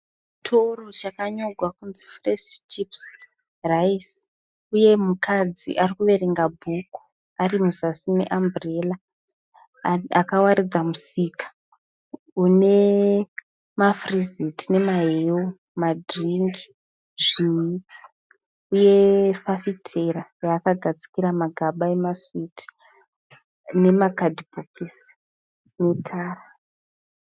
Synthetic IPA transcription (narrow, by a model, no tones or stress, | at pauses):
tʰorot͡ʃakaɲo̞ɡʱwakunzifreʃt͡ʃips | rais | uje̞mukʰad͡zḭʔarikuʋe̞ɾeŋɡabʱuku̥ | arimuzasinḛʔambrela | akawaɾid͡zamusiːkḁ | une̞ | mafrizitine̞maɦewo | madʱriŋɡi | ʐiit͡si̥ | uje̞fafitʰerajaːkaɡʱad͡zi̥kiɾamaɡʱaɓaemaswiti̥ | ne̞makadibokʰis | ne̞tʰaːra